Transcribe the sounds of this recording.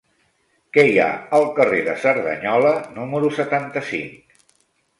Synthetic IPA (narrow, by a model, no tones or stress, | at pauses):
kɛja̰əlˠkəreðəsəɾðə̰ɲɔlənuməɾusət̪ant̪əsḭŋk